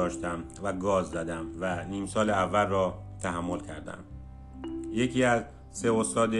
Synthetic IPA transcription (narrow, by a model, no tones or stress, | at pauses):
ɒːʃt̪æm | væɡɒːzzæd̪æmvæniːmsɒːleævːælrɒː | t̪ʰæɦæmːo̞lcʰæɾd̪æ̰m | jecʰiːæz | se̞ost̪ɒːd̪e